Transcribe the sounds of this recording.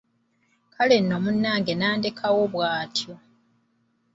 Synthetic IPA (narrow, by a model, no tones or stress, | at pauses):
kʰale̞nːo̞munːaːŋɡe̞naːndekʰawo̞βwaːtjo̞